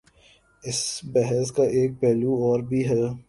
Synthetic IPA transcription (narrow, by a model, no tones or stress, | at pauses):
ɪsbɛɦɛskaʔeːk̚pɛːluɔːɾbʱiɦɛː